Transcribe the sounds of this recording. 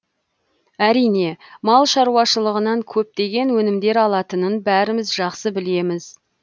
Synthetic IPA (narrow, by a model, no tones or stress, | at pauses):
æɾijne̞mɑlˠʃɑɾuwɑʃəlˠəʁənɑŋkʲʰɵp̚t̪e̞ɡʲe̞nwɵnɪmd̪e̞ɾɑlˠɑt̪ənənbæɾɪmɪzʒɑqsəbɪle̞mɪz